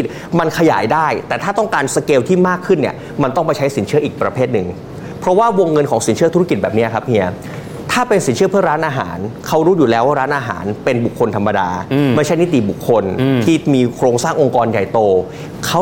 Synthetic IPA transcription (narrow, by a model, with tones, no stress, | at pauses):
i˨˩t̪̚ | ma˧nkʰa˧ja̰ː˩˦jdaː˥˩jt̪ɛː˨˩aː˥˩t̪ɔ˥˩ŋkaː˧nsa˧keː˧wt̪ʰiː˥˩maː˥˩kʰːɯ˥˩nːi˥˩ɐ | ma˧nt̪ɔ˥˩ŋpa˧jt͡ɕʰa˦˥jsi˩˦nʰɯ˥˩ɐʔiː˨˩k̚pɾa˧pʰeː˥˩t̪̚nɯ˨˩ŋ | pʰɾɔ˦˥waː˥˩wo˧ŋːɤ˧nkʰɔː˩˦ŋsi˩˦nt͡ɕʰɯ˥˩ɐt̪u˧˥a˥ki˨˩t̪̚bɛː˨˩p̚ni˦˥ɐ˩kʰa˦˥p̚ʔi˧˥ɐ | t̪ʰaː˥˩pe˧nsi˨˩˦nt͡ɕʰɯ˥˩ɐpʰɯ˥˩ɐɾaː˦˥nʔaː˧ɦa̰ː˩˦nkʰa˦˥wɾuː˦˥juː˨˩lɛː˨˦˥waː˥˩ɾaː˦˥nʔaː˧ɦa̰ː˩˦npe˧nbu˨˩kʰːo˧nt̪ʰa˧mːa˧daː˧ma˥˩jt͡ɕʰa˦˥jni˦˥t̪ḭ˨˩bu˨˩kʰːo˧nt̪ʰiː˥˩miː˧kʰɾoː˧ŋsaː˥˩ŋʔo˧ŋkɔː˧nja̰˨˩jt̪oː˧ | kʰa˦˥w